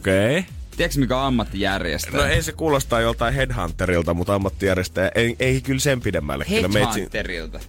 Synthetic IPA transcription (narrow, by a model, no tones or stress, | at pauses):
okeit̪ieksmikæɑmːɑt̪ːijærjḛstnnoeisekuːlost̪ɑːjjolt̪ɑihedhɑ̰nt̪ːerilt̪ɑmut̪ɑmːɑt̪ːijærjest̪æjæʔeeikylsempidemːæ̰lːæ̰kylːæmeˑisierilt̪ɑ